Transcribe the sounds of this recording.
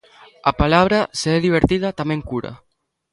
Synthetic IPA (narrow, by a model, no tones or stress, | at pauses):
apalaβ̞ɾaseeðiβ̞eɾt̪iðat̪ameŋkuɾa̰